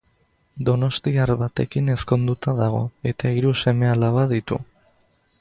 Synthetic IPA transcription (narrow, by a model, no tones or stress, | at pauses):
d̪o̞no̞st̪iaɾβat̪e̞kine̞sko̞nd̪ut̪aðaɣ̞o̞̰e̞t̪aiɾuse̞me̞alaβaðit̪ṵ